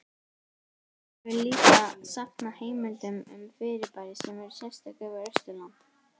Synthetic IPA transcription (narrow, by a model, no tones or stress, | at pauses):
vɪllːiːk̪asaknaheːjmʏnt̪ʏmʏ̰mfɪɾɪpajɾɪsɛmɛɾʏ̥sjɛlst̪akɛvaɾœ̥st̪ʏlant̪